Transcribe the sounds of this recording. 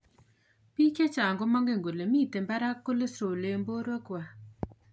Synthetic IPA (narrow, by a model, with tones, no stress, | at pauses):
pi˦ke˦t͡ʃa˨ŋɡo˦˨ma˦ŋɡe˨ŋɡu˨le˨miː˦˨t̪e˨mba˦ɾa˦kːo˦le˦sɾo˨le˨mbo˦ɾo˦ku˨wa˨